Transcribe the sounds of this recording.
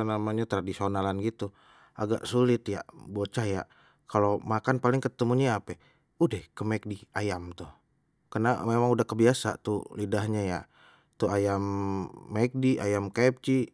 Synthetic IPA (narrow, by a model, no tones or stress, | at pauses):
namaɲat̪ɾadisonalanɡit̪u | a̰ɡa̰ʔsulɪt̪ja̰ʔbot͡ʃaja̰ʔ | kʰalomakanpalɪŋkət̪əmuɲaːpɛ | udɛhkəmɛk̚diajamt̪uh | kənamemaŋudahkəbiasa̰t̪ulidahɲaja̰ | t̪uajamːak̚diʔajamkap̚t͡ʃi